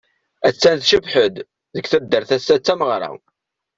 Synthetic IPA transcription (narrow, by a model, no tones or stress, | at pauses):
æt͡sːænθʃəbħəd̪ | ðəkθæd̪ːəɾθæsːæt͡sːæməʁɾˤa̰